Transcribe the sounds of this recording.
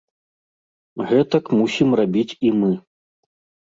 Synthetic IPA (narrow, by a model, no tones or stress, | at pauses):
ɣɛt̪ɐkmusʲimrabʲit͡sʲimɨ